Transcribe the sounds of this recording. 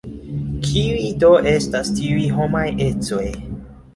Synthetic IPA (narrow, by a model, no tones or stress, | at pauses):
kʰiujdo̞ʔe̞stastiujɦo̞maje̞t͡so̞j